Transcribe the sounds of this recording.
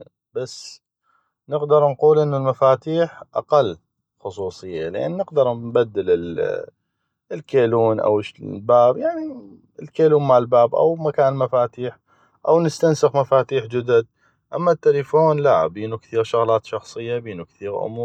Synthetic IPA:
basː | nɪɡd̪ɑɾˤnquːlʔɪnːʊlmafaːt̪iːħʔa̰qalː | xʊsˤuːsˤɨjːalɪʔa̰nːɪɡd̪ɑɾˤnbad̪ːɪlɪl | lkeːluːnʔa̰wʃlbaːbjaʕni | ɪlkeːluːnmaʕɪlbaːbʔa̰wmakaːnlmafaːt̪iːħ | ʔawnɪst̪ansɪxmafaːt̪iːħd͡ʒɪd̪ad̪̚ | ʔamːat̪ːalifoːnlaʔbiːnukθiːɾʃʊɣlaːt̪ʃɑxsˤɨjːabiːnukθiːɾʔʊ̰muːɾ

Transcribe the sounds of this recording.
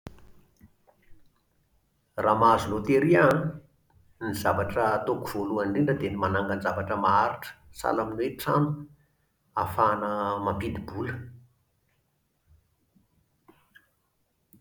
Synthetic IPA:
rʔamazunot̪eɾian | nizavaʈ͡ʂət̪okuv̥oluaɳɖ͡ʐiɳɖ͡ʐəd̪enimanaŋɡanzavaʈ͡ʂəmaaɾiʈ͡ʂə̥sa̰laminweʈ͡ʂa̰nu | afanəmampid̪ibulə̥

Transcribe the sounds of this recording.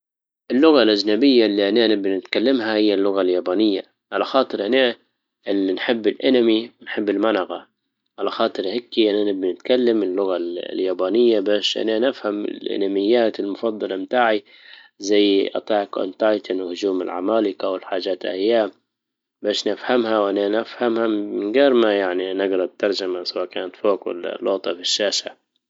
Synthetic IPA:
ʔɪlːʊɣalʔad͡ʒnabɪjːalːiʔananabːnɪt̪kalːamhahɪjːalːʊɣaljaːbaːnɪjːa | ʕalaxɑːt̪ˤɨɾʔana | ʔɪlinħɪbːɪlʔanamiwɪnħɪbːɪlmanaɣa | ʕalaxɑːt̪ˤɨɾhakːiʔanʔanabnɪt̪kalːamɪlːʊɣaljaːbaːnɪjːabaːʃʔa̰nanafhamɪ̰lʔɪ̰namɪjːaːt̪ɪlmʊfɑd̪ˤːɑlɑmt̪aːʕi | zajːʔɑ̰t̪ˤɑːkʔa̰nt̪ajt̪anwɪhʊd͡ʒuːmɪ̰lʕa̰maːlɪkawɪlħaːd͡ʒaːt̪lʔa̰jːaːm | baːʃnɪfhamhawʔananafhamhamɪnɡaːɾˤmajaʕninɪɡɾˤɑt̪ːɑɾˤd͡ʒamasawaːkaːnat̪foːkwɪ̰la̰lːoɣt̪ˤɑfiʃːaːʃa

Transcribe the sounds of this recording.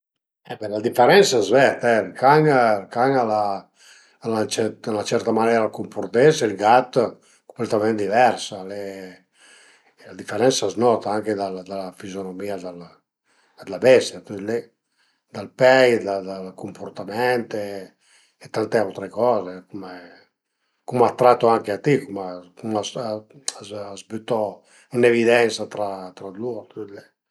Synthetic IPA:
ɛbɛlad̪ifeɾɛnsaɛzvɛt̪ɛlkaŋlkaŋalaː | lat͡ʃɛalat͡ʃɛɾt̪amanɛɾalkumpoɾt̪esɛilɡat̪ | ko̥mplɛt̪amɛ̃nt̪d̪ivɛɾsale | lad̪ifeɾɛnsaɛznɔt̪aaŋked̪ald̪alafizjonomiad̪al | d̪labɛst̪jat̪yt̪lɛ | d̪alpɛjd̪ad̪alkumpoɾt̪amɛnt̪e | et̪ːant̪eawt̪ɾekɔːzekume | kumat̪ːɾat̪ːoaŋkeat̪ikumakumas | azbyt̪ɔ | unevid̪ɛnsat̪ɾat̪ɾad̪luɾt̪yt̪le

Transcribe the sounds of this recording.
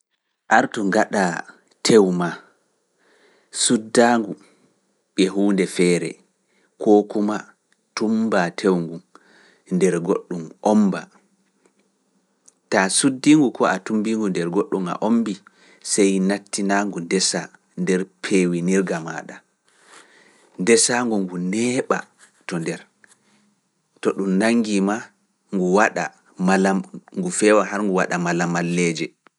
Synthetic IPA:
ʔaɾtuŋɡaɗa | tʰewma | sudːaːŋɡu | ɓɛɦuːndɛfɛːɾɛ̰ | kʰoːkuma | tumbatʰewŋɡu | ndɛɾɡoɗːumʔomba | tasudːiŋɡukʰɔatumbiŋɡundɛɾɡoɗːuma̰ʔombi | sɛjnatːinaŋɡundɛsa | ndɛɾpʰewiniɾɡama̰ɗa | ndɛsaŋɡuŋɡunɛɓa̰ | tɔndɛɾ | tɔɗumnaŋːɡima | ŋɡuwaɗa̰ | malaŋɡufɛwaɦaɾŋɡuwa̰ɗamalamalːɛd͡ʒɛ

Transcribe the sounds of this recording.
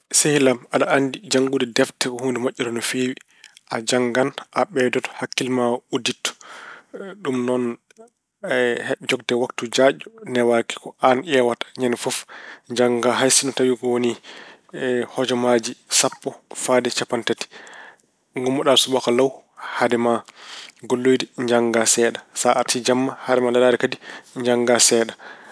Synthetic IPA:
sehilamaɗaʔandid͡ʒaŋɡudɛdɛftɛkɔhundɛmaʔʲːɔɾɔnɔfewi | ʔad͡ʒaŋɡanʔaɓɛdɔtɔ̥hakːilmauditːɔ̥ | ɗumnɔn | hd͡ʒɔɡ̚dɛwaktud͡ʒaɟɔnɛwaki̥kɔanʔɛwatḁɲanfɔfɲd͡ʒaŋɡaɦajsinɔtawikɔwoni | hɔd͡ʒɔmad͡ʒisapːɔfadɛt͡ʃapantati̥ | ŋɡumːɔɗalsubakalaw | hadɛmaɡolːojdiɲd͡ʒaŋɡasɛɗasaʔaɾtid͡ʒamːahadɛmalalaɾɛkadiɲd͡ʒaŋɡasɛːɗa

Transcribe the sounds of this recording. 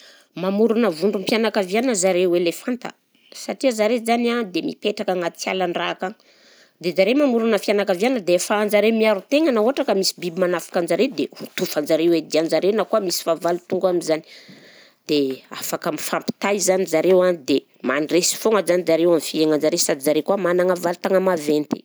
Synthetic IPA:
mamuɾunəvuɳɖ͡ʐumpjanakavianəzaɾewelefant̪ə̰ | saʈ͡ʂiazaɾezanad̪emḭpeʈ͡ʂakaŋat͡sia̰laɳrakaŋ | d̪ezaɾemamuɾunəfianakavjanəd̪efand͡ʒaɾemiaɾut̪eŋanauɦaʈ͡ʂakəmisi̥bibimanafḁkand͡ʒaɾed̪ehut̪ufand͡ʒaɾewed̪iand͡ʒaɾewnakuamisi̥favalut̪uŋɡamizani̥ | d̪̥ea̰fakamifampi̥t̪ajzanizaɾewanid̪e | manresi̥foŋəzanid͡zaɾewamifieŋand͡ʒaɾesad̪izaɾekuamanaŋavalit̪aŋəmavent̪e̥

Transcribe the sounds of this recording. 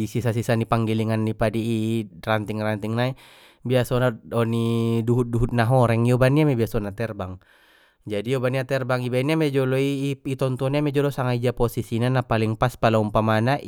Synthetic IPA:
isisasisanipaŋɡiliŋanːipadiːrant̪iŋrant̪iŋnai | biasɔnaɔniduɦut̪̚duɦut̪̚naɦɔɾɛŋiɔbaniamɛbiasɔnat̪ɛrbaŋ | d͡ʒadijɔbaniat̪ɛrbaŋibainamɛd͡ʒɔlɔiit̪ɔnt̪ɔniamɛd͡ʒɔlɔsaŋaid͡ʒapɔsisinanapaliŋpaspalaumpamanaʔ

